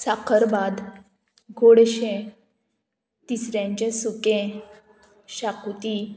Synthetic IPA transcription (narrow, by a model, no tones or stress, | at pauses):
sakəɾbad̪ | ɡʱoɽɕẽ | t̪isɾjãɲt͡ɕesukẽ | ɕakut̪i